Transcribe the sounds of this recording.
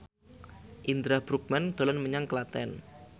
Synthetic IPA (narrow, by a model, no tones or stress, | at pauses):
ʔind̪ɾab̥ɾuk̚mɛnd̪̥o̤lɔnməɲaŋkəlat̪ɛ̰n